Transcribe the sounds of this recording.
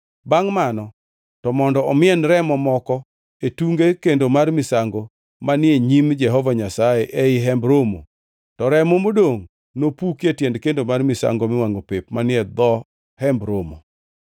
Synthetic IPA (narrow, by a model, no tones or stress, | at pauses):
baŋmanɔ | tɔmɔndɔɔmɪɛnɾɛmɔmɔkɔ | etuŋɡekendomarmɪsaŋɡo | manɪeɲimd͡ʒɛɦɔvaɲasaeʔɛɪɦɛmbɾomo̰ | tɔɾɛmomodoŋ | nopukjetjɛndkendomarmɪsa̰ŋɡomɪwaŋopepmanɪɛd̪ɔ | hɛmbɾomo̰